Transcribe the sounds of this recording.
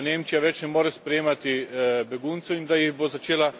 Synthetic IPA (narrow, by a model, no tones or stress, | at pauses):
neːmt͡ʃijaʋɛt͡ʃnɛmoːɾɛspɾɛjeːmat̪ibɛɡunt̪sɛind̪ajiɣbozat͡ʃeːla